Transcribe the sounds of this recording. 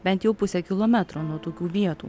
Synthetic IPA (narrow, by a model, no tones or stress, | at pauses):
bʲɛnt̪jɛʊpʊsʲɛkʲɪlˠoːmʲæt̪ɾoːnuɔt̪oːkʲuːʋʲiɛt̪ṵː